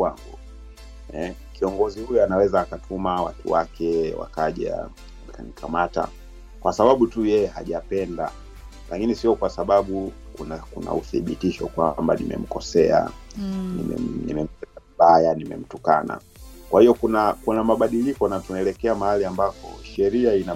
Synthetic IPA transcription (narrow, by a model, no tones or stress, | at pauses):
waŋɡu | ɛ | kiɔŋɡɔzihujɔanawɛzaːkatʰumawa̰tuwakʰɛwa̰kaʄa̰ | akanikʰamata̰ | kwasaɓaɓutujɛjɛha̰ʄapɛnda̰ | lʔakinisiɔkwasaɓaɓu | kunakuna̰uθiɓitiʃɔkwamba̰nḭmɛ̰m̩kɔsɛa̰nḭm̰nḭmɛm̩tɛtaviɓajanimɛ̰m̩tuka̰na̰ | kwahijɔkunakunamaɓaɗilikɔnatunaɛlɛkɛamahaliambakɔ̰ʃɛɾiaina